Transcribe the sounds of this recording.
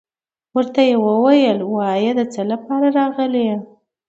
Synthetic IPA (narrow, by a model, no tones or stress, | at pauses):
wəɾt̪ajewəwajəlwɑjəd̪ət͡səlapɑɾaɾɑɣəle